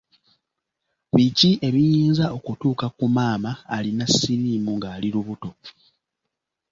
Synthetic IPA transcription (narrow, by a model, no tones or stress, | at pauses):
βiciʔe̞βijiːnzao̞kutuːkakumaːmaːlinasːiɾiːmuŋɡaːliɾuβuto̞